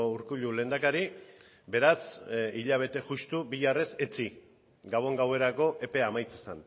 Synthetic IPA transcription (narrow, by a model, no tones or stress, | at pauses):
ouɾkuʎule̞ːnd̪akaɾi | be̞ɾasiʎaβ̞e̞t̪e̞ʝust̪ubiʝare̞set͡si | ɡaβo̞ŋɡawe̞ɾako̞ʔe̞pe̞amajt͡sesan